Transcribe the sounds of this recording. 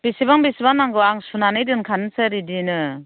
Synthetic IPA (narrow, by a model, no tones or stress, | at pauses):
b̥isibaŋbisibaŋnːaŋɡɯaŋsunanɯjdɯnkʰanɯsɯɾidinɯ